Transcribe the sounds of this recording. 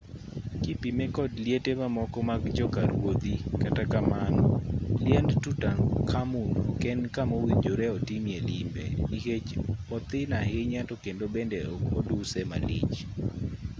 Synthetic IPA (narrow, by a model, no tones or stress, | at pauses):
kipimɛkɔdljetemamɔkɔmaɡd͡ʒɔkaɾwod̪ikatakamanɔ̰ljɛndtutaŋkʰamunɔ̰kɛnkamowiɲd͡ʒoɾɛɔtimjelɪmbɛ̰iket͡ʃɔt̪ɪnahɪɲatokendobɛndɛɔkɔdusɛma̰lɪ̰t͡ʃ